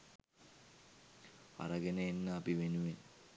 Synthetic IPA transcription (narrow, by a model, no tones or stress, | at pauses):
ɐ̰ɾɐɡeneenːɐːpiʋenuʋen